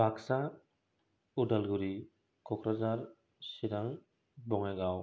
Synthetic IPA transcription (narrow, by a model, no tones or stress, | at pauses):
bʱaksa | udalɡuɾi | kɔkɾazaɹ | siɾaŋ | bɔŋaɡaw